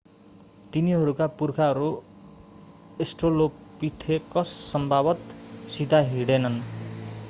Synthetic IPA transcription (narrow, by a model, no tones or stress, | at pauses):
t̪iniɦʌɾukapurkʰaʌɾu | esʈroloppit̪ʰekʌsːʌmbʱabʌt̪sid̪ʱaɦiɽenʌn